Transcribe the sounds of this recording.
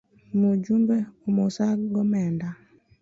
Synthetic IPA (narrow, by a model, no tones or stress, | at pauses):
mod͡ʒumbeomosaɡɔmɛnda